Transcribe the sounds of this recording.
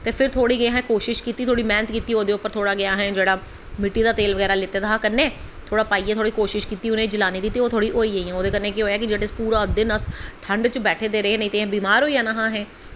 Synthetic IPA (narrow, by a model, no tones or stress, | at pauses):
t̪eːpʰɪɾt̪ʰoːɽiːɡɪaːɦɛ̃ːkoːʃɪʃkiːt̪iːt̪ʰoːɽiːmɛ̃ːnət̪kiːt̪iːoːd̪eːʊpːəɾt̪ʰoːɽaːɡɪjaːɦɛ̃ːd͡ʒeːɽaː | mɪʈːiːd̪aːt̪eːlʋəɡɛːɾaːlɪt̪eːd̪aɦaːkənːeː | t̪ʰoːɽaːpaːiːɛːt̪ʰoːɽiːkoːʃɪʃkiːt̪iːʊnẽːd͡ʒəlaːniːd̪ɪt̪ːiːoːt̪ʰoːɽiːʔoːiːəiːɛ̃ːoːd̪eːkənːẽːkeɦoːjaːkɪd͡ʒeɽɪspuːɾaːd̪ɪnəsʈʰəɳɖt͡ʃəbɛːʈʰeːd̪eːɾəɦeːnĩːt̪ẽːbiːmaːɾɦoːiaːnaɦãːɦɛ̃ː